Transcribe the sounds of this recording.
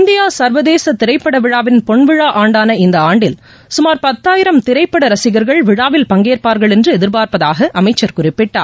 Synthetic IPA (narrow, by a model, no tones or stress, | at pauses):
nd̪ɪjaːsɐɾʋɐðeːsɐt̪ɪɾɐɪpːɐɽɐʋɪɻaːʋɪnpɔɳʋɪɻaːʔaːɳɖaːnɐɪnd̪ɐaːɳɖɪl | sʊmaːɾpɐt̪ːaːjɪɾɐmt̪ɪɾɐɪpːɐɽɐɾɐsɪɣɐɾɣɐɭʋɪɽaːʋɪlpɐŋɡeːɾpaːɾɣɐɭɛndrɯɛðɪɾbaːɾpɐðaːɣɐʔɐmɐɪt͡ʃːɐɾkʊrɪpːɪʈːa̰ːɾ